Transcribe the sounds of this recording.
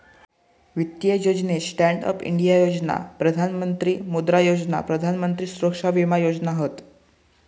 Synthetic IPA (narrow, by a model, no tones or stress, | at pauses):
ʋit̪jejod͡ʑnesʈæɳɖə̰pḭɳɖijajod͡zna̰pɾəd̪ʱanmənt̪ɾiːmud̪ɾajod͡ʑna̰pɾəd̪ʱanmənt̪ɾiːsuɾəkʂaʋimajod͡ʑnaɦət̪